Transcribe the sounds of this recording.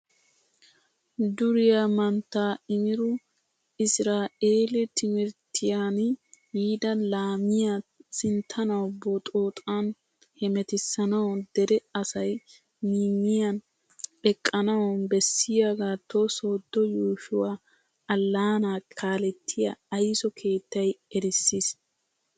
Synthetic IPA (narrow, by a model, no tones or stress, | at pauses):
d̪ʊɾɪjamɐnt̪ːaːɪmɪɾʊ | ɪsɾaːʔeːlɪt̪ʰɪmɪɾt̪ʰːɪjaːnhiːd̪ɐlaːmɪjasɪnt̪ʰɐnɐwboːt̪ʼoːt̪ʼaːn | hɛmɛt̪ɪsːɐnɐwd̪ɛɾɛɐsɐj | niːmːɪjɐn | ɛkʼːɐnɐwbɛsːɪjaːɡaːt̪ʰosoːd̪ːɔjuːʃʊwaː | ɐlːaːnaːkʰaːlɛt̪ʰːɪjɐ̰ɐjsɔkʰe̞ːt̪ːɐjɛɾɪsːis